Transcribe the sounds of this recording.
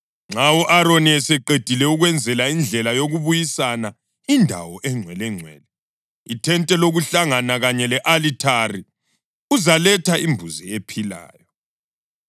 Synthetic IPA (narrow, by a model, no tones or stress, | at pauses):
ŋ͡ǁawɔʔaɾoniɛsɛǃed̥ʱilɛuɣwɛnd͡zʱɛlaind͡ɮʱɛlajoɣuβujisana | indʱa̰wɔʔɛŋ͡ǀʱwɛlɛŋ͡ǀʱwɛ̰ːlɛ | itʰɛntʼɛloɣuɬaŋanaɣaɲɛlɛʔalitʰari | uzalɛtʰaimbʱuzɛepʰila̰ːjɔ